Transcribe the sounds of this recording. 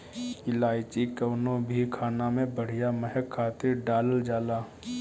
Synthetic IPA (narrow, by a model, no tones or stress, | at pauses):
ɪlaːɪt͡ʃikɐwnõbʱikʰaːnamẽbəɽ̤ijamɛɦɛkkʰːaːt̪ɪɾɖaːləld͡ʒaːlaː